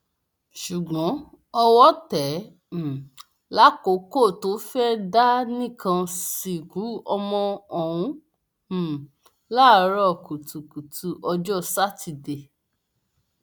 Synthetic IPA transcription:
ʃu˨ɡ͡bɔ̃˨˦ | ɔ˧wɔ˦tɛ̃˨˦˨ | la˦ko˨˦ko˦˨to˨˦fɛ˦da˦nĩ˦˨kã˧si˨ku˨˦ɔ˧mɔ̃˧ɔ˨w̃ũ˨˦˨ | la˦˨˦ɾɔ˦˨ku˨tu˨ku˨tʰu˧ʔɔ˧d͡ʒɔ˦sa˦ti˧˨de˨

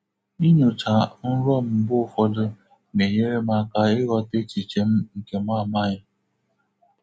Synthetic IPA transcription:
i˦ɲʊ˨t͡ʃa˨n̩˦ɾɔ˦m̩˨˦bʊ˦fɔ˦dʊ˦ | me˨ɲe˦ɾe˦ma˦ka˦ɪ˦ɾɔ˦te˦t͡ʃi˨t͡ʃe˨m̩˦ŋ̩˨ke˨ma˦˨ma˦˨ɲa˦

